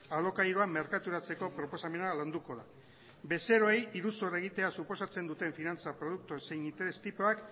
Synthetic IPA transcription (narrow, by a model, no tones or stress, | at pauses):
alo̞kajɾoame̞ɾkat̪uɾat͡se̞ko̞pɾo̞po̞same̞naland̪uko̞ða | be̞se̞ɾo̞ejiɾusore̞ɣ̞it̪e̞asupo̞sat͡se̞nd̪ut̪e̞ɱfinant͡sapɾo̞ð̞uk̚t̪use̞jnint̪e̞ɾest̪ipoak